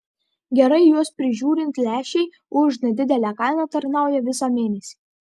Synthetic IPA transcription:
ɡʲɛɾɐɪjuɔspʲɾʲɪʒʲuːɾʲɪnt̪ʲlʲæːʃʲɛɪ | ʊʃnʲɛd̪ʲɪd̪ʲɛlʲæːkɑɪnɑt̪ɐɾnɑʊjɛʋʲɪsɑmʲeːnʲɛsʲi

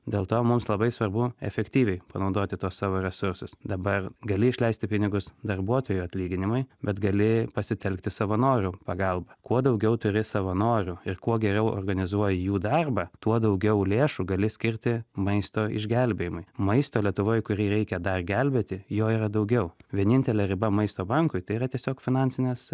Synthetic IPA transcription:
d̪ʲeːlˠt̪oːmʊmslˠɐbɐɪsʋɐrbʊɛ̰fʲɛkt̪ʲiːʋʲɛɪpɐnɐʊd̪oːt̪ʲɪt̪oːssɑːʋoːɾʲɛsʊɾsʊsd̪ɐbɐrɡɐlʲɪɪʃʲlʲɛɪsʲt̪ʲɪpʲɪnʲɪɡʊsd̪ɐrbuɔt̪oːjʊɐt̪ʲlʲiːɡʲɪnʲɪmʊɪbʲɛt̪ɡɐlʲɪpɐsʲɪt̪ʲɛlʲkt̪ʲɪsɐʋɐnoːɾʲupɐɡɑlˠbɐkuɔd̪ɐʊɡʲɛʊt̪ʊɾʲɪsɐʋɐnoːɾʲuɪɾkuɔɡʲɛɾʲɛʊo̰ːrɡɐnʲɪzuɔjɪjuːd̪ɑrbɐt̪uɔd̪ɐʊɡʲɛʊlʲeːʃuɡɐlʲɪsʲkʲɪɾʲt̪ʲɪmɐɪst̪oːɪ̰ʒʲɡʲælʲbʲeːjɪmʊɪmɐɪst̪oːlʲiɛt̪ʊʋoːjkʊɾʲiːɾʲɛɪkʲɛd̪ɐrɡʲælʲbʲeːt̪ʲɪjoːiɾɐd̪ɐʊɡʲɛʊʋʲiɛnʲɪnʲt̪ʲɛlʲɛɾʲɪbɐmɐɪst̪oːbɐŋkʊɪt̪ɐɪiːɾɐt̪ʲiɛsʲoːkfʲɪnɑnʲsʲɪnʲɛːs

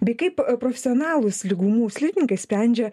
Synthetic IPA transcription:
bʲɛɪkɐɪppɾɔfʲɛsʲɔnɑːlˠʊsʲlʲɪɡuːmuːsʲlʲipʲɪnʲɪŋkɐɪsʲpʲɾʲænʲd͡ʒʲɛ

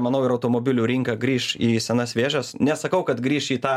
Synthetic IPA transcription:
mɐnɐʊɪɾɐʊt̪oːmoːbʲɪlʲuːɾʲɪŋkɐɡɾʲiːʃiːsʲɛnɐsʋʲeːʒɐsnʲɛsɐkɐʊkɐt̪ɡɾʲiːʃiːt̪ɑː

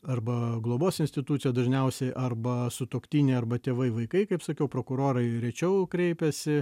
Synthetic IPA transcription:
ɐrbɐɡlˠoːboːsɪnʲsʲt̪ʲɪt̪uːsʲɪjɛd̪ɐʒʲnʲɛʊsʲɛɪʔɐrbɐsʊt̪oːkt̪ʲiːnʲɛɪɐɾbɐt̪ʲeːʋɐɪʋɐɪkɐɪkɐɪpsɐkʲɛʊpɾoːkʊɾoːɾɐɪɾʲɛt͡ʃʲɛʊkɾʲɛɪpʲɛsʲɪ

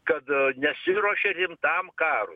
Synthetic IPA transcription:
kɐd̪ɲɐsiɾɔʃɐɾimt̪aːmkaːɾṵ

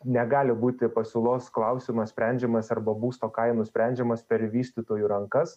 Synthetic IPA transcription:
nʲɛɡɑːlʲɪbuːt̪ʲɪpɐsʲʊlˠoːsklˠɐʊsʲɪmɐsʲpʲɾʲɛnʲd͡ʒʲɛmɐsɐrbɐbuːst̪oːkɐɪnʊsʲpʲɾʲɛnʲd͡ʒʲɛmɐspʲɛɾʋʲiːsʲt̪ʲit̪oːjuːɾɐŋkɐs

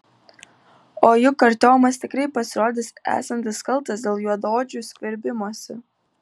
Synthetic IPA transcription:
oːjʊkɐɾʲt̪ʲoːjmɐst̪ʲɪkɾɐɪpɐsʲɪɾoːd̪ʲɪsæ̰ːsɐnʲt̪ʲɪskɐlˠˑt̪ɐsd̪ʲeːlˠjuɔd̪oːd͡ʒʲuːˑsʲkʲʋʲɛɾʲbʲɪmuɔsʲɪ

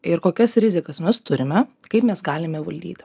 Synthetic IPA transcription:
ɪɾkoːkʲɛsɾʲɪzʲɪkɐsmʲɛst̪ʊɾʲɪmʲɛ | kɐɪpmʲɛsɡɑːlʲɪmʲɛʋɐlʲd̪ʲḭːt̪ʲ

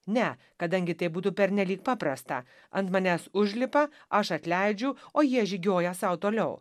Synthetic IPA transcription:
nʲɛ | kɐd̪ɐŋʲɡʲɪt̪ɐɪbuːt̪uːpʲɛɾʲnʲɛlʲiːk̚pɑːpɾɐst̪ɐ̰ | ɐnt̪mɐnʲæːsʊʒʲlʲɪpɐ | ɐʃɐt̪ʲlʲæɪd͡ʒʲʊoːjiɛʒʲɪɡʲoːjɛsɐʊt̪oːlʲɛʊ

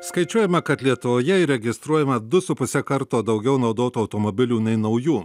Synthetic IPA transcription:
skɐɪt͡ʃʲuɔjɛmɐkɐt̪lʲiɛt̪ʊʋoːjɛɪɾʲɛɡʲɪst̪ɾuɔjɛmɐd̪ʊsʊpʊsʲɛkɐɾt̪oːd̪ɐʊɡʲɛʊnɐʊd̪oːt̪uɐʊt̪oːmobʲɪlʲuːnɐɪnɐʊjuː

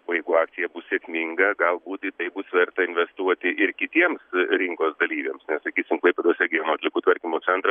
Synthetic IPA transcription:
oːjɛɪɡʊɑːkt̪sʲɪjɛbʊssʲeːkmʲɪŋɡɐɡɐlˠbuːt̪ɪt̪ɐɪbʊsʋʲɛrt̪ɐɪnʲʋʲɛst̪uɔt̪ʲɪɪrkʲɪt̪ʲiɛmsɾʲɪŋkoːsd̪ɐlʲiːʋʲeːmsnʲɛssɐkʲiːsʲʊmklˠɐɪpʲɐd̪ɐlsʲɛɡʲɪjonoːɐt̪ʲlʲɪkuːt̪ʋɐɾʲkʲimoːsʲɛnt̪ɾɐ

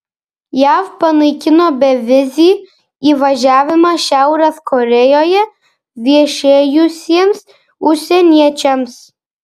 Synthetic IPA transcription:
jæfpɐnɐɪkʲɪnoːbʲɛʋʲɪzʲi | iʋɐʒʲæːʋʲɪmɐʃʲæˑʊɾɐskɔɾʲɛjoːjɛ | ʋʲiɛʃʲeːjʊsʲiɛms | ʊʃsʲɛnʲiɛt͡ʃʲɛms

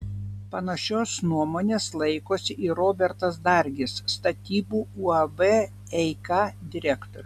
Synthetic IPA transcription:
pɐnɐʃʲoːsnuɔmoːnʲeːslˠɐɪkoːsʲɪʔiːɾoːbʲɛɾt̪ɐsd̪ɐɾʲɡʲɪsːt̪ɐt̪ʲiːbuːuːɐbɛ | ɛɪkɑːd̪ʲɪɾʲækt̪oːɾʲ

